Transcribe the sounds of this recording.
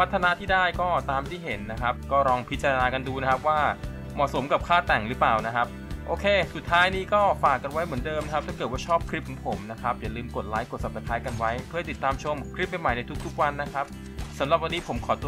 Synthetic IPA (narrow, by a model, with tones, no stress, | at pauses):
pʰa˦˥t̪ʰːa˧na˦˥t̪ʰiː˥˩daː˥˩jkɔː˥˩t̪aː˧mt̪ʰiː˥˩ɦe˩˦nːa˦˥kʰa˦˥p̚kɔː˥˩ɾɔː˧ŋpʰi˦˥t̪̚t͡ɕa˧ɾa˧naː˧ka˧nduː˧na˦˥kʰa˦˥p̚waː˥˩ | mɔ˨˩so˩˦mka˨˩p̚kʰaː˥˩t̪ɛ˨˩ŋɾɯ˦˥plaː˨˩wna˦˥kʰa˦˥p̚ʔoː˧kʰeː˧su˨˩t̪ʰːaː˦˥jniː˦˥˩kɔː˥˩faː˨˩kːa˧nwa˦˥jmɯ˩˦əndɤː˧mna˥kʰp̚t̪aː˥˩kɤː˨˩t̪̚waː˥˩t͡ɕʰɔː˥˩p̚kʰɾi˦˥p̚kʰɔ˨˩˦ŋpʰo˩˦mna˦˥kʰa˦˥p̚ja˨˩lɯː˧mko˨˩t̪̚laː˦˥jkːo˨˩t̪̚sa˨˩p̚sa˧˩t̪ʰaː˦˥jka˧nwa˦˥jpʰɯ˥˩hajt̪i˨˩t̪ːaː˧mt͡ɕʰo˧mkʰɾi˦˥p̚ːa˧jma˨˩jna˧jt̪ʰu˦˥k̚t̪ʰu˦˥k̚wa˧nːa˦˥kʰa˦˥p̚ | sa˨˩˦mɾa˨˩p̚wa˧nːiː˦˥pʰo˩˦mkʰɔː˩˦t̪u˧